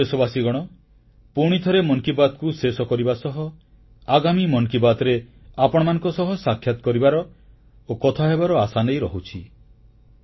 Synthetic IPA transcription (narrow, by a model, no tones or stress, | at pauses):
esɔbasiɡɔɽ̃ɔ | puɽ̃it̪ʰɔɾemɔŋkibad̪ɔkusesɔkɔɾibasɔɦɔ | aɡamimɔŋkibad̪ɾeapɔɽ̃ɔmanɔ̃ŋkɔsɔɦɔsakʰːjat̪ɔ̥kɔɾibaɾɔ | okɔt̪ʰaɦebaɾɔasanejɾɔɦut͡ʃʰi